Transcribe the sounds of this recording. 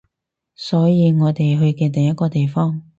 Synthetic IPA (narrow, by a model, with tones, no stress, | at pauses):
sɔː˨˥jiː˨˧ŋɔː˨˧t̪e˨jɦɵ˧ɥkɛː˧t̪ɐ˨ŋjɐ˥t̚kːɔː˧t̪e˨jfɔː˥ŋ